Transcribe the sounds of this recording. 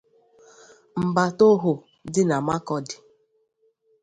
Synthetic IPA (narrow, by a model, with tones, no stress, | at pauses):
m̩˨ba˨to˦ɦʊ˨ | dɪ˦na˨ma˦kɔ˨dɪ̥˨